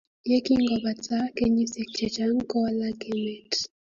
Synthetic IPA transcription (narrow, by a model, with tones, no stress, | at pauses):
je˦ki˦ŋɡɔ˨ba˨t͡sa˦ke˦ɲi˦si˨k̚t͡ʃɛ˨t͡ʃa˦ŋ̩˦kɔ˦a˦la˦ɡe˦mɛ˨t